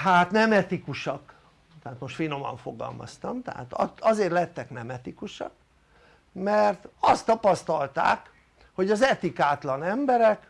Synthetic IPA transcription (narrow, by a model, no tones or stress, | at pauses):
haːt̪nɛmɛt̪ikuʃɒk | t̪ɛɦaːt̪moʃt̪fino̞mɒ̰ɱfo̞ɡɒ̰lmɒ̰st̪ɒmt̪ɛ̰ɦa̰ːt̪ɒɒzeːrlɛt̪ːɛknɛmɛt̪ikuʃɒ̰k | mɛrt̪ɒst̪ːɒpɒst̪ɒlt̪a̰ːk | ho̞ɟɒzɛt̪ikaːt̪lɒnɛmbɛɾɛk